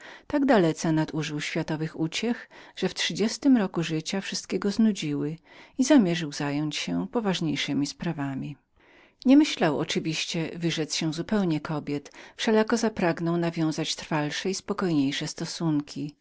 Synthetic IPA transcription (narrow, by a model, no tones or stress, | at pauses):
t̪aɡd̪alɛt̪sɛnad̪uʐɘwɕfʲjat̪ɔvɘxut͡ɕɛxʐ̥ɛftʂɘd͡ʑɛst̪ɘmɾɔkuʐɘt͡ɕafʂɘst̪kʲɛɡɔznud͡ʑiwɘ | izamʲjɛʐɘwzajɔɲt͡ɕɕɛpɔvaʐɲejʂɘmʲispɾavamʲi | ɲɛmɘɕlawɔ̰t͡ʂɘvʲiɕt͡ɕɛvɘʐɛt̪sɕɛw̃zupɛwɲɛkʰɔbʲjɛt̪fʂɛlakɔzapɾaɡnɔwnavʲjɔ̃w̃zat͡ɕt̪ɾfalʂɛispɔkɔjɲejʂɛst̪ɔsuŋkʲʰi